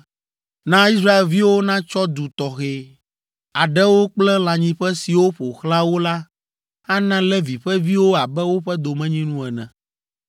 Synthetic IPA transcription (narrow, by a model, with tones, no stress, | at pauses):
nã˦i˦s̬ɾa˦e˨lvi˦wo˦nã˦t͡ʃɔ˦d̪u˨t̪ɔ˨xe˨ | a˨ɖɛ˦wo˦k͡plɛ˦l̃ã˨ɲĩ˦ɸɛ˦si˨wo˦ɸo˨xla˦wo˦la˦ | a˦nã˦lɛ˦vi˨ɸɛ˦vi˦wo˦a˨bɛ˦wo˦ɸɛ˦d̪o˨mɛ̃˦ɲĩ˦nũ˦ɛ˨nɛ̃˨